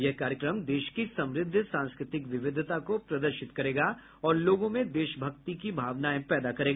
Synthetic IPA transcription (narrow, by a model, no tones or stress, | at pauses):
jɛɦkaːɾjəkɾəmd̪eːʃkisɐ̃mɾɪd̪ʱːəsãːnskɾɪt̪ɪkʋɪʋɪd̪ʱt̪akopɾɐd̪əɾʃɪt̪kɐɾeːɡa | ɔːɾloːɡõmẽd̪eːʃbʱɐkt̪ik̬ibʱaːʋnaẽpɛːd̪akɐɾeːɡa